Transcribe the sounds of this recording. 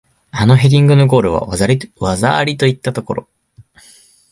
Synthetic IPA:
ano̞ɦe̞d̪ʲĩŋɡɯ̟no̞ɡo̞ːɾɯ̟βa̰aaɾʲiβazaɾʲit̪o̞it̪ːat̪o̞ko̞ɾo̞̰

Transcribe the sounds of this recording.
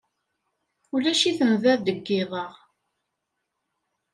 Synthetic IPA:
ulæʃiθənðæðd̪əɡːɪðˤəʁ

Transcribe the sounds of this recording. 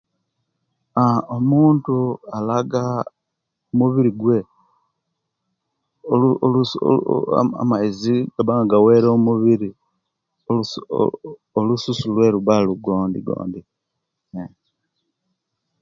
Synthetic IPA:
aomuːntualaɡa | omuβiɾiɡwe̞ | olulṵ | a̰maiziɡaβaŋɡaɡawe̞ɾomuβiɾi | o̰ | olususulwe̞ɾuβaluɡo̞ːndḭɡo̰ːndi

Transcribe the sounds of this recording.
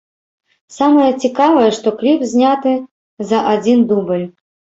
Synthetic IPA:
samɐjɐt͡sʲikavɐjɛʂt̪ɔklʲipzʲnʲat̪ɨ | zɐʔad͡zʲind̪ubɨlʲ

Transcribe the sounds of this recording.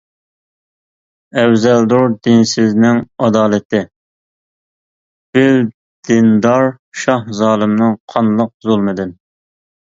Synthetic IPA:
ɛwzɛld̪oɾd̪ɪnsɪznɪŋɑd̪ɑːlˠɨt̪ʰɪ | b̥ɪw | d̪̥ɪnd̪ɑɾ | ʃɑhzɑːlˠɨmnɨŋqʰɑnlˠəq̚zolˠmɨd̪ɨn

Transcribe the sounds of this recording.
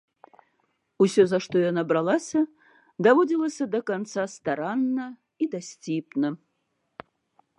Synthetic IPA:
usʲozɐʂt̪ojanɐbɾɐlˠasʲɐ | d̪ɐvodʲilˠəsʲɐd̪ɐkant̪sast̪ɐɾanːɐ | id̪ɐsʲtʲipnɐ

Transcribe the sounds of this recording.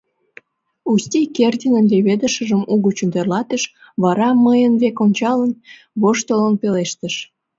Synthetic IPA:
ust̪ʲikert̪ʲinənd̪eβed̪əʃəʒəmuɣət͡ɕund̪erlɑt̪əʃ | βɑɾɑməjənβekonʲt͡ɕɑlən | βoʃt̪olənpeleʃt̪əʃ

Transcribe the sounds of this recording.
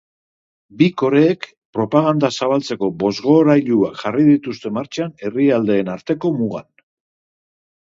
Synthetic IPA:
biko̞ɾe̞ːk | pɾo̞paɣ̞and̪asaβ̞alt͡se̞ko̞bo̞zɣo̞ɾajʎuaʝarið̞it̪ust̪e̞maɾt͡ʃane̞riald̪e̞ːnaɾt̪e̞ko̞muɣ̞a̰n

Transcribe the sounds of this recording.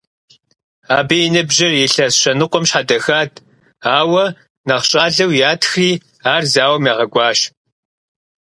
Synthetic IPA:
aːbijɪnɨbʒɪrjɪɬɐsɕʼɐnɨqʷɔmɕħadɐxaːtʰ | aːwɐ | nɐχɕʼaːɮɐwjaːtʰxriː | aːrzaːwɐmaːʁɐɡʷɑːɕ

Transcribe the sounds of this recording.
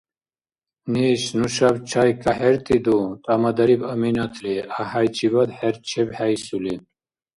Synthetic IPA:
niɕnuɕabt͡ɕʰajkaheɾt̪id̪ut̪amɐd̪ɐɾibɐminɐt̪ʰliahajt͡ɕibɐd̪ħeɾt͡ɕʰebhajsuli

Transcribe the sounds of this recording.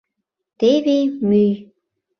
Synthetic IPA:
t̪eβemyj

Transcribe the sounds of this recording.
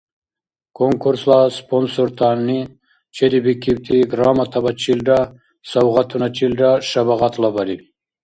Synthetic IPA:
koŋkuɾslasponsoɾt̪ʰani | t͡ɕʰeɾibikiwt̪ʰiɡɾɑːmat̪ʰabat͡ɕilɖa | sawʁat̪ʰunat͡ɕilɖaʂabaʁat̪labali

